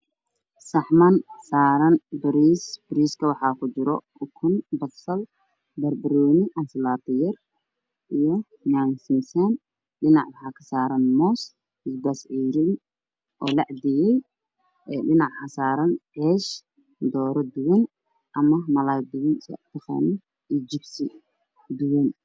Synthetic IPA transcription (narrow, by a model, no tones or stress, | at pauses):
sɐħmɐnsaːɾɐnbɪɾisbɪɾiːskʰɐwɑħɑːkʰʊt͡ʃɪɾɔ | ʊkʰʊnbɐsɐl | bɐrbɐɾɔːnɪʔɐnslaːt̪ɪjɐr | ʔijɔ | naːnsɪnsɐn | ɗɪnɑʕwɦɑkʰɐ̥saːɾɐnmɔːs | ɪsbasʕiːɾɪn | ʔɔːlɑʕd̪ɪjɛj | ɛɖɪnɑʕħɐsaːɾɐnʕɛːʃ | d̪ɔːɾɐd̪ʊwɐn | ʔɐmɐmɐlaːd̪ɪwnst̪ɛqɛ̰ːnɪ | id͡ʒɪbsɪ | d̪ʊwɐn